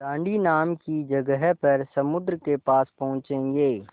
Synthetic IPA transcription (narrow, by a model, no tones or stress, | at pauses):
tãːɳɖinaːmkid͡ʒɐɡəɦɛpɐɾsɐmʊd̪ɾəkepaːspɐɦʊ̃t͡ʃẽːŋɡeː